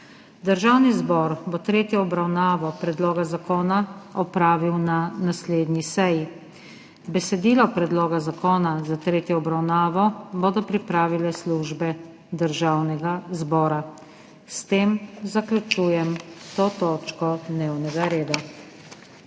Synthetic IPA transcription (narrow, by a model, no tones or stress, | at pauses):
d̪əɾʒaːwnizbɔːɾbɔt̪ɾeːt̪jɛɔbɾawnaːʋɔpɾɛd̪loːɡazakoːnaɔpɾaːʋiwnanasleːd̪nʲisɛji | bɛsɛd̪iːlɔpɾɛd̪loːɡazakoːnazat̪ɾeːt̪jɔɔbɾawnaːʋɔboːd̪ɔpɾipɾaːʋilɛsluʒbɛ | d̪əɾʒaːwnɛɡazbɔːɾa | st̪eːmzaklʲut͡ʃuːjɛmt̪ot̪oːt͡ʃkɔd̪neːwnɛɡaɾeːd̪a